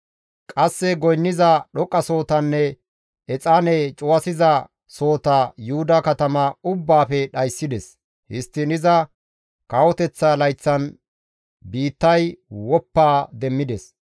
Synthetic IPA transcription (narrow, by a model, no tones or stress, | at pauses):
kʼɐsːɛɡɔjnːɪzɐɗɔkʼːɐso̞ːt̪ɐnːɛ | ɛt͡sʼanɛt͡ʃʼʊwɐsɪzɐ | so̞ːt̪ɐjʊhʊd̪ɐkɐt̪ɐmɐʊbːaːfɛɗɐjsːɪd̪ɛs | hɪst̪ːɪnɪzɐ | kɐwɔt̪ɛt͡sːɐlɐjt͡sːɐn | biːt̪ːɐjwɔpːaːd̪ɛmːɪd̪ɛs